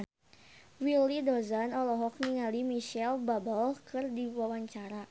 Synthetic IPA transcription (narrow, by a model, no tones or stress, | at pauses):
wilidɔzanɔlɔɦɔk̚niŋalimiʃɛlbabəlkɨrdiwawaɲt͡ʃaɾa